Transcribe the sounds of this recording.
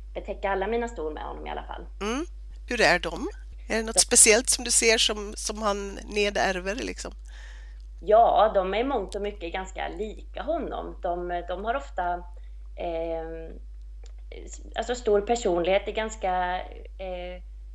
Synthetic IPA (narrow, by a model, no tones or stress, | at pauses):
b̥ɛt̪ʰɛkːaɾalːamiːnast̪uːlmɛ̰hɔ̰nːɔmɪ̰a̰a̰fa̰lːm̩ː | hɵɾæɖɔm | æɖɛnɔt̪spɛsɪɛlt̪sɔmd̪ɵseːʂɔmsɔmhanː | eːd̪æɾvəɾlɪ̰ksɔm | jɑːd̪ɔmæɾmɔŋt̪ɔmʏkːəɡanska̰liːkaɦɔnːɔ̰md̪̥ɔmd̪ɔmhaɾɔft̪a | a̰lsɔst̪uːɾpʰæʂuːnlɪɡheːt̪ɛɾɡanska